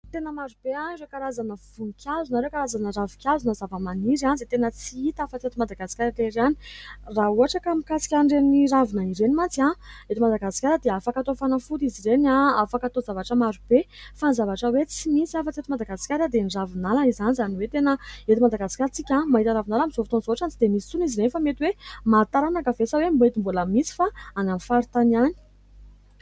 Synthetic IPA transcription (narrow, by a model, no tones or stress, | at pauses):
t̪enəmaɾub̥eanirekaɾazanəv̥unikʰʲjazunaɾekaɾazanəravu̥kʲazunazavəmaniɾanzit̪enət͡siit̪afət͡set̪imad̪aɡasi̥kʲaɾaleɾeani̥rauaʈ͡ʂakamikasi̥kʲaɳɖ͡ʐeniravunaiɾenimat͡siaet̪imad̪aɡasi̥kʲaɾəd̪eafakat̪ofanafut̪iziɾenaafakat̪ozavaʈ͡ʂəmaɾub̥efanzavaʈ͡ʂəwet͡simisafat͡set̪imad̪aɡasi̥kʲaɾəd̪eniravinalaizanizaniwet̪enəet̪imad̪aɡasi̥kʲaɾt͡sikʲamaɦit̪aɾavinalamizovit̪onzoaʈ͡ʂant͡sid̪emisit͡suniziɾenfamet̪iwemat̪aɾanakəvesawembet̪imbuləmisi̥faanamifaɾut̪anani̥